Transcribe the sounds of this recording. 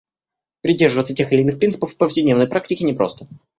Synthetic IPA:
pɾʲɪdʲːe̞rʐɨvət̪sətʲexɪlʲɪnɨxpʲint̪ɨpəfpəfsʲɪdʲnʲenəjpɾak̚tʲɪkʲɪnʲɪpɾo̰st̪ə

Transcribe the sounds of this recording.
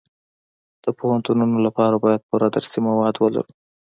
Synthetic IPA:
d̪̥əpohant̪ununolapɑɾabɑjad̪̚pəɾad̪əɾsimawɑd̪wəla̰ɾu

